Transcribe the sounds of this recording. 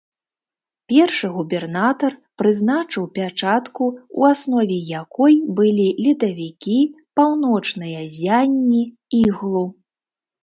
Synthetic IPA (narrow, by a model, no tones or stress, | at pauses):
pʲɛrʂɨɣubʲɛrnat̪ɐrpɾɨzn̪at͡ʂɨwpʲat͡ʂat̪kuṵasnɔvʲɛjakɔjbɨlʲilʲit̪ɐvʲikʲi | pawnɔt͡ʂnɨjɐzʲanʲːi | iɣlˠu